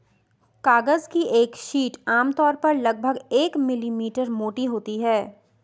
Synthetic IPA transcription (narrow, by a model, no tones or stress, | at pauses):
kaːɡəzkiʔeːkʃiːʈaːmt̪ɔːɾpɐɾlɐɡ̚bʱəɡeːkmɪlimiːʈəɾmoːʈiɦoːt̪iɦɛː